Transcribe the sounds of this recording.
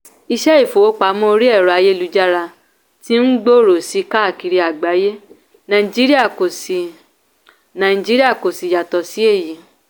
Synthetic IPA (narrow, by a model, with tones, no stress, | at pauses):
i˧ʃɛ˦i˦˨fo˨o˦k͡pa˨˦mõ˦o˧ɾi˦ɛ˦˨ɾɔ˨a˧je˦lu˨˧˦d͡ʒa˦ɾa˧ | tĩ˦n̩˦ɡ͡bo˦˨ɾo˨si˨˦ka˦˨ki˧ɾi˧a˨ɡ͡ba˨˦je˦ | nã˨i˨d͡ʒi˦ɾi˦a˦˨ko˨si˨ | nã˨i˨d͡ʒi˦ɾi˦a˦˨ko˨si˨ja˨tɔ˨si˨˦e˦˨ji˨